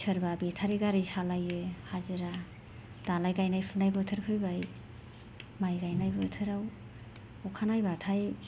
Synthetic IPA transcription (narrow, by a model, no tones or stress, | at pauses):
sʰəɾbabetʰaɾiɡaɾisalajehazɯɾa | d̥alajɡajnajpʰɯnajbɯtʰɯɾkʰɯjbaj | majɡajnajbɯtʰɯɾaw | ɔkʰanajbatʰaj